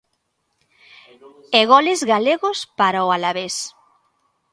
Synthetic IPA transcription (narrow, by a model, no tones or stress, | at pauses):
eɣɔlɪzɣaleɣʊspaɾaʊalaβes